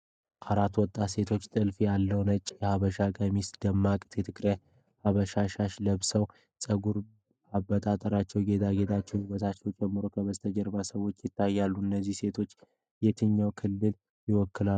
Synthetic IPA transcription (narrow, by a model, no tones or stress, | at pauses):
kʼaɾat̪wɔt̪ʼːase̞t̪ʰo̞t͡ʃːt̪ʼɨlfijalːəwnət͡ʃʼːjɛhaβəʃakʼəmisd̪əmːakʼt̪ʰjɛt̪ʰɨkɾəj | haβəʃaʃaʃləβsəw | sʼəɡuɾ | aβət̪ʼat̪ʼəɾat͡ʃːɛwɡe̞d̪ʰaɡe̞t̪ʰʼat͡ʃːɛwiwət̪ʰat͡ʃːɛwt͡ʃʼɛmːɨɾokʰəβəst̪ʰəd͡ʒɛɾbasəwo̞t͡ʃːjɪt̪ːajːalːuɨnːəzːihse̞t̪ʰo̞t͡ʃː | jɛt̪ʰɨɲːawkʰɨlːɨl | jɪwɔkːɨlau